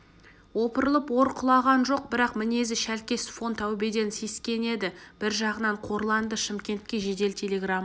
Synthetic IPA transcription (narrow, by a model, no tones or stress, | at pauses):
wo̞pəɾəlˠəpwo̞ɾqʰʊlˠɑʁɑnʒo̞q̚bɪɾɑqmɪne̞zɪʃælkʲe̞sfo̞nt̪æwbe̞d̪e̞nse̞skʲe̞ne̞d̪ɪb̥ɪɾʒɑʁənɑɴqʰo̞ɾlˠɑnd̪əʃɪmkʲe̞nt̪̚kʲe̞ʒe̞d̪e̞lt̪ʰelʲe̞ɡramː